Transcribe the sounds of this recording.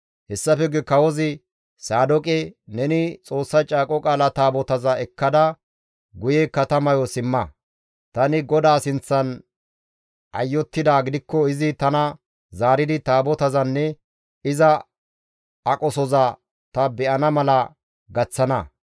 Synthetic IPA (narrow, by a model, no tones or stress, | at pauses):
hɛsːɐfɛɡɪkɐwɔzɪ | saːd̪ɔkʼɛnɛnɪt͡sʼo̞ːsːɐt͡ʃʼaːkʼɔkʼaːlɐt̪aːbɔt̪ɐzɐɛkːɐd̪ɐ | ɡʊjɛkːɐt̪ɐmɐjɔsɪmːɐ | t̪ɐnɪɡɔd̪aːsɪnt͡sːɐn | ʔɐ̰jːɔt̪ːɪd̪aːɡɪd̪ɪkːɔɪzɪt̪ɐnɐ | zaːɾɪd̪ɪt̪aːbɔt̪ɐzɐnːɛ | ɪzɐ | ɐkʼɔsɔzɐ | t̪ɐbɛʔɐnɐmɐlɐ | ɡɐt͡sːɐnɐ